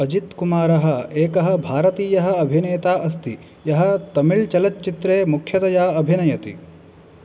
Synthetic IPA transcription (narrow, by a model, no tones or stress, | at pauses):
ɐd͡ʒit̪kumaːɾɐɦɐ̆eːkɐɦɐbʱaːɾɐt̪iːjɐɦɐ̆ɐbʱineːt̪aːʔɐst̪i | jɐɦɐt̪ɐmiɭt͡ʃɐlɐt͡ʃːt͡ʃit̪ɾeːmukʰjɐt̪ɐjaːɐbʱinɐjɐt̪ḭ